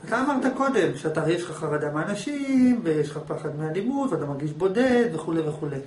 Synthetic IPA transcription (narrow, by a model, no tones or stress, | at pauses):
at̪aːmaʁt̪ako̞d̪e̞mʃeat̪ajeʃχaχaʁad̪ameanaʃimvejeʃχapaχad̪mealimud̪veat̪amaʁɡiʃbo̞de̞d̪ve̞χuleveχule